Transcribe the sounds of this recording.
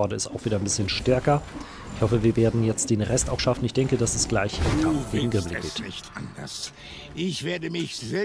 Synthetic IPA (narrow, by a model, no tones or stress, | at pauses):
ɔɐdəɪstaʊxv̥iːdɐɪnmbɪsçənʃtɛɐkɐ | ʔɪçhɔfəviːɐveːɐdn̩jɛt͡std̥eːnʁɛstaʊxʃafn̩ɪçd̥ɛŋkədasɛsɡ̥laɪçʔɪ̰nkʰamfɡ̥eːɡŋ̩ɡʁɪmləɡḛːtandɐ̰s | ʔɪçv̥eːɐdəmɪçzɛ